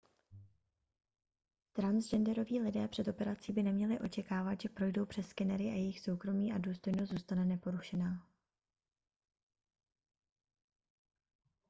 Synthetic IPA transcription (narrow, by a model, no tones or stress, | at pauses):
t̪ɾanzd͡ʒɛndɛɾo̞viːlɪdɛːpr̥ɛt̪o̞pɛɾat͡siːbɪnɛmɲɛlɪʔo̞t͡ʃɛkaːvat̪ʒɛpɾo̞jdo̞wpr̥ɛskɛnɛɾɪʔajɛjɪxso̞wkɾo̞miːʔaduːst̪o̞jnost̪zuːst̪anɛnɛpo̞ɾuʃɛnaː